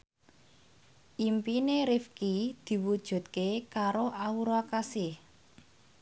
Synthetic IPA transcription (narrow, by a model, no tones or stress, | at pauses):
ʔimpineɾifkid̪̥i̤wud̥ʒ̥ṳt̪̚kekaɾoʔauɾakasɪh